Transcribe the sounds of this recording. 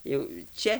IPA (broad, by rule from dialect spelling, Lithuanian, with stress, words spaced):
ˈjɛʊ ˈt͡ʃʲɛ